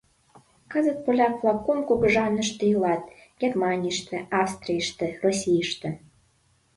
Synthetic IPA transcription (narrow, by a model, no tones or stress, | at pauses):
kɤ̆zə̆t̪̚polʲɑkflˠɑkːomkuɣə̆ʒɑnə̆ʃt̪ə̆jəlɑt̪̚ | ɡ̥ʲermɑnʲiʃt̪ə̆ɑfst̪rijʃt̪ə̆rosʲijʃt̪ə̆